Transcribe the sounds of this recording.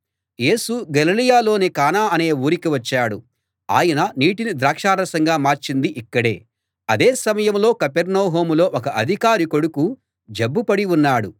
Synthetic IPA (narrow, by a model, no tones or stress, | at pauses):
je̞ːsuɡɐlilijaːlo̞ːnikaːnaːɐne̞ːuːɾikiʋɐt͡ʃːaːɽu | a̰ːjɐnɐniːʈinid̪ɾaːkʂaːɾɐsɐŋɡaːmaːɾt͡ʃind̪iʔikːɐɽe̞̰ː | ɐd̪eːsɐmɐjɐmlo̞ːkɐpeɾnɐːɦo̞ːmulo̞ːʔɔkɐʔɐd̪ʱikaːɾiko̞ɽuku | d͡ʒɐbːupɐɽiunːaːɽu